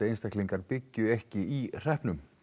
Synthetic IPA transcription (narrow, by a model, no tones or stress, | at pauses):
ejnst̪ahkliŋkaɾpɪcːʏɛhcɪir̥ɛhpnʏm